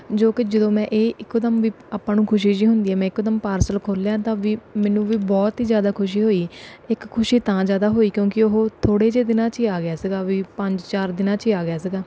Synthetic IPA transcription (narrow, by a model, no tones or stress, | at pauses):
d͡ʒoːkɪd͡ʒəd̪õːmɛ̃ːʔeːʔɪkːd̪əmʋiː | aːpːãːnũːkʰʊʃiːd͡ʒiːɦʊnd̪iːɛːmɛ̃ːɪkːd̪əmpaːɾsəlkʰoːljãːt̪ãːʋiːmɛːnũːʋiːbɔːt̪ɦiːzjaːd̪aːkʰʊʃ̬iːɦoːiːɪkʰːʊʃiːt̪ãːzjaːd̪aːɦoːiːkjõːkɪʊɦoːt̪ʰoːɽeːd͡ʒeːd̪ɪnãːt͡ʃiːaːɡɪjaːsɪɡaːʋiːpəɲd͡ʒt͡ʃaːɾd̪ɪnãːt͡ʃiaːɡɪjaːs̬ɪɡaː